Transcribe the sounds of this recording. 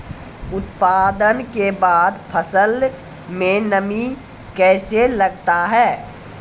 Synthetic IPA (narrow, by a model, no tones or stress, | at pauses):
ʊt̪paːd̪ənkebaːd̪pʰəsəl | mẽnəmi | kɛːselɐɡt̪aɦɛː